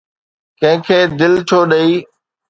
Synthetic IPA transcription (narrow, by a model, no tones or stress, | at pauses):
kɐ̃ɦɪ̃kʰeːd̪ɪlt͡ɕʰoːɗəiː